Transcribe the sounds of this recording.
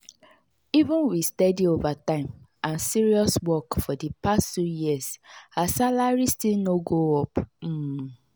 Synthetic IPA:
ivũnwistɛdiovatãɪ̃mʔãnsiɹiɔswɔkfɔdipasttujiasasalaɹistilnoɡoɔpm̩

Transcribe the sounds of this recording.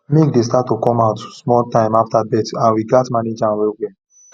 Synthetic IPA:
mekdes̬tatːokɔ̃maʊtsmɔltãɪ̃maftabɛtãnɹiɡatmaned͡ʒãnwɛɡɛ̃

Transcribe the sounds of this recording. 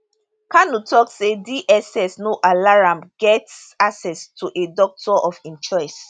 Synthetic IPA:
kanutʰɔksediʔɛsɛsnoʔalaɹãmɡ̥ɛts | asɛstʰuʔedɔk̚tʰɔʔɔfĩnt͡ʃɔjs

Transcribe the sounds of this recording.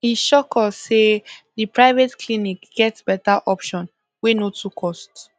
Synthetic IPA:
hiʃɔkɔsedipɹaɪvetklinikɡ̥ɛtsb̥ɛtaʔɔpʃɔ̃n | wenotʰukʰɔst

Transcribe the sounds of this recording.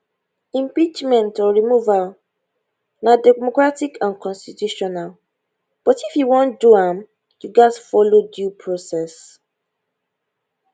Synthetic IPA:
ĩmpit͡ʃmɛ̃ntɔɹimuval | nadɛmɔkɹatikʰãnkʰɔ̃nstitjuʃɔnal | b̥ɔtifjuwɔ̃nduãm | juɡasfɔlodjupʰɹosɛs

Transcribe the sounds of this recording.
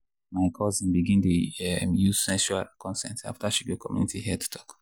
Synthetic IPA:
maɪkʰɔzĩnbiɡĩntuɛmjuz̥sɛ̃nʃualkɔ̃nsɛ̰̃nta̰ftaʃibikʰɔmjṵnitihiɛtu̥tʰɔ̥k

